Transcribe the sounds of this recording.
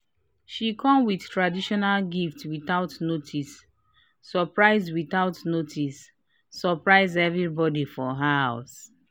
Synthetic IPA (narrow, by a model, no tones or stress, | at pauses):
ʃikʰɔ̃mwiθtʰɹadiʃɔnalɡiftwiθaʊtnotʰisː | ɔpɹaɪzdwiθaʊtnotʰisː | ɔpɹaɪzɛvɹibɔdifɔɦahaʊs